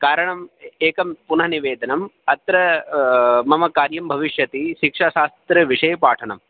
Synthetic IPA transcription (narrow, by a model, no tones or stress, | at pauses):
kaːɾɐɳɐmeːkɐmpunɦɐniʋeːd̪ʱɐnɐmɐt̪ɾɐ | mɐmɐkaːɾjɐmbʱɐʋiʂjɐt̪iʃikʂaːʃaːst̪ɾɐʋiʂɐjɐpaːʈʰɐnɐm